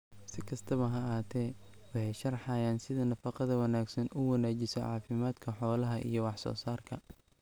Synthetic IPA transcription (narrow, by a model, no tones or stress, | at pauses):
sɪkʰɐst̪ʰɐβɐɦɐaːt̪ʰɛː | wɑħɛjʃɐrħɑjaːnsɪðɐnɐfɑqɑðɐwɐnaːɡsɐnʊwɐnaːt͡ʃɪsɔ̰ʕɑ̰ːfɪmaːd̪kʰɐħɔːlɐɦɐʔḭjɔwɑħsɔ̰ːsaːrkʰɐ